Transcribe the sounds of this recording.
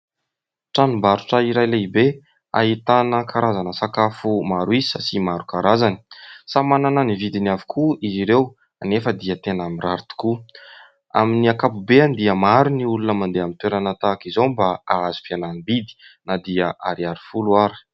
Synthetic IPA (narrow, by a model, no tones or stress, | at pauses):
ʈ͡ʂanumbaɾu̥ʈ͡ʂəiɾajleibe | a̰ɦit̪anəkʰaɾazanəsakafumaɾuizisasimaɾukaɾazani̥samanananivid̪iniavi̥kʰuiziɾew | anefəd̪iət̪enamiraɾit̪u̥ku | a̰miniakapubeand̪iəmaɾuniulunəmand̪eamint̪weɾanat̪akizowmbaaazi̥fiananibid̪i̥nad̪iəʔaɾiaɾifuluaɾi̥